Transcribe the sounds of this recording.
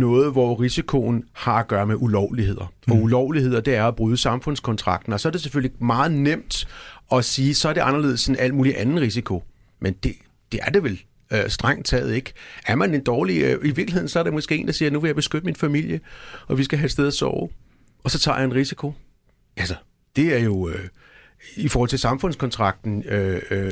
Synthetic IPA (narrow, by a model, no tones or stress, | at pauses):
nɔ̽ːð̞̩ˠʋɒʁisikʰo̝n̩hɑ̈æɡ̥ɶːɐmeʔulɒʊ̰lihe̝ð̰ˠɐɒ̽ulɒʊ̰lihe̝ð̞̰ˠɐd̥e̝æɐæb̥ʁyːðˠəsɑ̈mfɔ̽n̰skʰɒ̽nt͡sʰʁɑ̈ɡ̥d̥n̩ɒ̽sɒ̽ɐde̝se̥føl̰limɑ̈ːð̞̩ˠnem̰d̥ɒ̽siːsɒ̽æɐɾe̝ʔɑ̈nɐle̝ð̰ˠsenʔæl̰muːliʔænn̩ˠʁis̬ikʰo̝ | mend̥e̝ | d̥e̝æɐd̥e̝ʋel | sd̥ʁɑ̈ŋ̰d̥̚t͡sʰɛ̰ːð̩ˠe̝ɡ̥æɐmæne̝nd̥ɒːliiʋiɐɡ̥lie̝ð̰ˠn̩sɒ̽ɐɾemɒ̽sɡ̥e̝̰e̝ːnd̥ɑsiːɐnuʋe̝jɑ̈b̥e̝sɡ̥ød̥əminfæmil̰jəɒ̽ʋisɡ̥æɦæd̥sd̥eð̞̰ˠæsɒ̰ʊ | ʔɒ̽sɒ̽t͡sʰɑ̰̈ːjɑenʁisikʰo̝ | ælsɐ | d̥e̝æɐjo̝ | ifɔːhɒl̰t͡sʰe̝sɑ̈mfɔ̽n̰skʰɒ̽nt͡sʰʁɑ̈ɡ̥̚d̥n̩ø